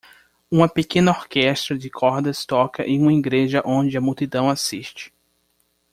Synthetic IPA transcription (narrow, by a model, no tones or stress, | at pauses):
ũmɐpekẽnɐoɾkɛst̪ɾɐd͡ʒɪkʰɔɾd̪ɐst̪ɔkɐʔẽj̃ũmɐiɡɾeʒɐʔõnd͡ʒɪɐmut̪id̪ɐ̃w̃asiʃt͡ʃɪ̥